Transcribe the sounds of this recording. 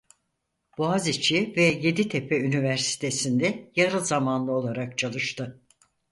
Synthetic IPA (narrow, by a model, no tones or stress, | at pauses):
b̥uazit͡ʃʰivɛje̞d̪it̪ʰepʰɛynivæɾsi̥t̪ʰe̞sind̪ɛjaɾɯlˠzamanlˠɯo̞lˠaɾak̚t͡ʃʰalˠɯʃt̪ʰɯ